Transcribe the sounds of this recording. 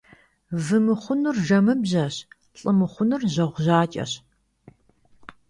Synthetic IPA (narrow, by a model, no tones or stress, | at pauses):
vɨmɨχʷʊnɨrʒɐmɨbʑɐɕ | ɬʼɨmɨχʷʊnɨrʑɐʁʷʊʑaːt͡ʃʼɐ̰ɕ